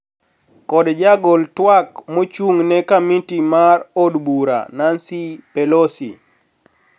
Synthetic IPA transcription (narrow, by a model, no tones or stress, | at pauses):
kɔdd͡ʒaɡoltwakmot͡ʃuŋnɛkamintimarodbuɾa̰nansipɛlosi